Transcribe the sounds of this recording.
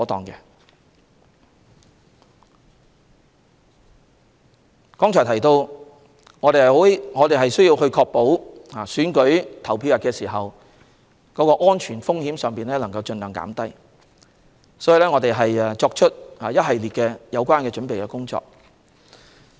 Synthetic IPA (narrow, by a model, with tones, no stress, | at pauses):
ɔː˨˥t̪ɔː˨ŋkɛ˧ | kɔː˥ŋt͡ʃʰɔː˨˩t̪ʰjt̪o˧w | ŋɔː˨˧t̪e˨jhɐ˨ho˨˥ŋɔː˨˧t̪e˨jɦɐ˨jsɥjiː˧whɵ˧ɥkʰɔː˧k̚po˨˥whaː˨syː˨˥nkɵ˨˥ɥt̪ʰɐ˨˩wpʰiː˧wjɐ˨˩kːɛː˧siː˨˩ɦɐ˨w | kɔː˨˥kɔː˧ʔɔː˥nt͡ʃʰyː˨˩nfʊ˥ŋhiː˨˥msœː˨ŋpiː˨˩nlɛː˥lɐ˨˩ŋkɐ˧wt͡ʃɵ˧nlœ˨˩ŋka̰ː˨˥mt̪ɐ˥j | sɔː˨˥ji˧lɛː˥ŋɔː˨˧t̪e˨jɦɐ˨jt͡ʃɔː˧k̚t͡ʃʰɵ˥t̚haː˨jɐ˥t̚ɦɐ˨jliː˨t̚kɛː˧jɐ˨˧wkʷaː˥nkɛː˧t͡ʃɵ˨˥npe˨jkɛː˧kʊ˥ŋt͡ʃɔ̰ː˧k̚